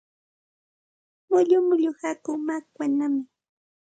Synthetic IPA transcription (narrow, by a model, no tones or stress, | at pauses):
mʊʎʊmʊʎʊhakʊmakwanamɪ